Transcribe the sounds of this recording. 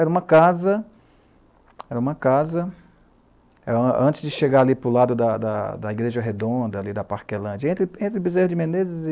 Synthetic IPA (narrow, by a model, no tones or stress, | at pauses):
ɛɾɐũmɐkazɐ | ɛɾɐũmɐkazɐ | ɛ̃ɐ̰̃t͡ʃɪ̥zd͡ʒɪʃeɡaɾalipɾʊlad̪ʊd̪ɐd̪ɐd̪ɐiɡɾeʒɐɦed̪õnd̪ɐalid̪ɐpaɾkelɐ̃d͡ʒɐẽnt̪ɾɪẽnt̪ɾɪbizeɾd͡ʒɪmẽnezɪz